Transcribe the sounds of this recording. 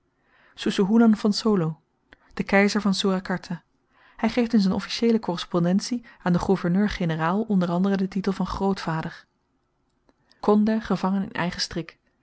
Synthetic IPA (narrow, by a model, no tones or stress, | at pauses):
susuɦulɑnfɑnsoːlo | d̥əkɛjzəɹvɑnsuːrakɑɹtʰa | hɛjχejftɪnzɛnɔ̰fi̥ʃejləkɔrəspɔndɛntsiaːndəχuvəɹnøːɹχenəraːlˠɔndərɑndərədətitəlˠvɑnχrowtfaːdəɹ | kɔndəχəvɑŋənɪ̰nɛ̰jχəstrɪk